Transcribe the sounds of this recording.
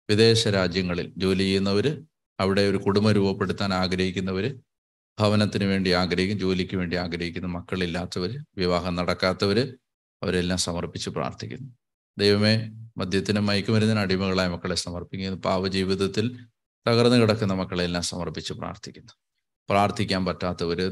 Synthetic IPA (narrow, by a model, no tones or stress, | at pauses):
ʋid̪e̞ːɕɐɾaːd͡ʑjɐŋːɐɭḭld͡ʑo̞ːlijjːunːɐʋɐɾɨ | ɐʋiɽe̞o̞ɾukuɽumɐɾuːbɐpːe̞ɽut̪ːaːnaːɡɾɐɦikʲːunːɐʋɐɾɨ | bʱɐʋɐnɐt̪ːinɨʋe̞ːɳɖiaːɡɾɐɦikʲːumd͡ʑo̞ːlikʲːɨʋe̞ːɳɖiaːɡɾɐɦikʲːunːɐmɐkːɐɭilːaːt̪ːɐʋɐɾɨʋiʋaːɦɐmnɐɽɐkːaːt̪ːɐʋɐɾɨ | ɐʋɐɾe̞lːaːmsɐmɐrpit͡ɕːɨpra̰ːrt̪ʰikʲːunːu | d̪ejʋɐme̞mɐd̪ʱjɐt̪ːinɨmɐjkːumʋɐɾunːɐnɐɽimɐɣɐɭaːjmɐkːɐɭe̞sɐmɐrpikʲːunːubaːʋɐd͡ʑiːʋiðɐt̪ːil | t̪ɐɣɐrɐnːɨkiɽɐkːunːɐmɐkːɐɭelːaːmsɐmɐrpit͡ɕːɨpra̰ːrt̪ʰikʲːunːu | praːrt̪ʰikʲːaːnpɐtːaːt̪ːɐʋɐɾɨ